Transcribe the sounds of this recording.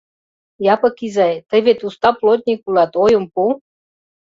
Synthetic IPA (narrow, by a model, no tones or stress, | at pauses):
jɑpɤ̆kizɑjt̪ə̆βʲet̪ust̪ɑplot̪̚ʲnʲikulɑt̪ojə̆mpu